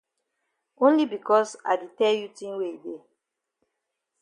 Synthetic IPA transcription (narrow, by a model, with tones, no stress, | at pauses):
õ˦nli˦bi˨kɔ˦sa̰˨de˨tɛ˦lju˦tĩ˦nwe˦i˨de˦